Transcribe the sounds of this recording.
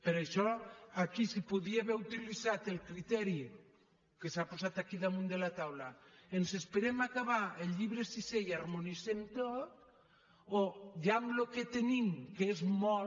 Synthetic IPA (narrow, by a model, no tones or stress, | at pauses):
peɾeʃɔakisipoðiaβeɾut̪iliθat̪elkɾit̪ɛɾi | kesaposat̪akiðamũnd̪elat̪awlaensespeɾemakaβaelʎiβɾesisejaɾmoniθent̪ot̪ | oʝamloket̪enimkeezmɔ